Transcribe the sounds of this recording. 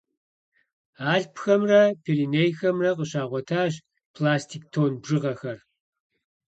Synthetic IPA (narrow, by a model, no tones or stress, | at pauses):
aːɬpxɐmrɐpʰelinejxɐmrɐqʼəɕaːʁʷɔtʰaːʑ | pʰlaːstʰiːk̚tʰoːnbʒɨʁɐxɐr